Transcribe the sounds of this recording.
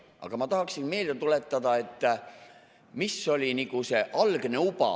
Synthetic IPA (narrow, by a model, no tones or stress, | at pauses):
ʔɑ̰ɡ̥ɑmɑt̪ɑɦɑksinme̞ːlet̪ule̞t̪ːˑɑd̪̥ɑe̞t̪ˑː | misːo̞lʲinikuse̞ʔɑlɡ̥ne̞ubɑ̰